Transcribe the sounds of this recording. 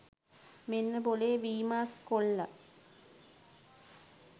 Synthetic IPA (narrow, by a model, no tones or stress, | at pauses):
menːɨboleʋiːmaːskoɭːɐ